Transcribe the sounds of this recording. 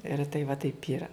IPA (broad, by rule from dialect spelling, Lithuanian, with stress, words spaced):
ɪr tɐɪ ʋɐ ˈtɐɪp ˈiːrɐ